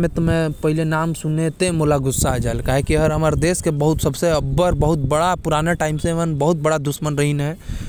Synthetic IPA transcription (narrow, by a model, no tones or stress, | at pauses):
met̪ɔmepəɦilenamsunet̪emolaɡusːad͡ʒaelkaɦekiəɦəɾɦəməɾd̪eskebəɦut̪səbʱseəbːəɾbəɦut̪̚bəɽapuɾaneʈaimsemənbəɦut̪̚bəɽad̪usmənɾəɦinɦe